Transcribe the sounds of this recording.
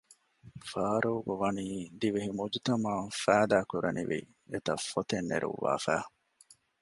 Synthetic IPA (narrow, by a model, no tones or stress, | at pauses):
faːɾoːɡoʋɐniːd̪iʋeɦimud͡ʒit̪ɐmaːfæːd̪æːkuɾɐnḭʋḭ | et̪ɐfot̪enːḛɾʔṵʋːa̰ːfæː